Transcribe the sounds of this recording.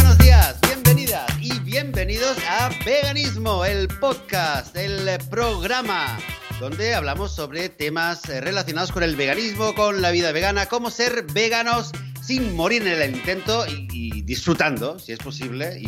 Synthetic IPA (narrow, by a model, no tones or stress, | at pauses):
wenozðiazβje̞mbeniðasiβje̞mbe̞nið̞osabeɣanizmoe̞lpoðkast̪elpɾoɣ̞ɾamad̪o̞nd̪e̞aβlamo̞sːo̞βɾe̞t̪e̞masre̞laθjonaðosko̞ne̞lβe̞ɣ̞anizmoko̞nlaβiðaβ̞e̞ɣanako̞mose̞ɾβeɣanosː | inmoɾiɾenelint̪e̞nt̪oiːðisfɾut̪and̪osiespo̞siβleḭ